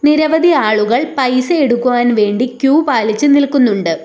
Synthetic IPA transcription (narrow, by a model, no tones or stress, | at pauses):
niɾɐʋɐd̪ʱiaːɭuɣɐɭpɐjsɐeɽukːuʋaːnʋe̞ːɳɖikʲjuːpaːlit͡ɕːɨnilkunːuɳɖɨ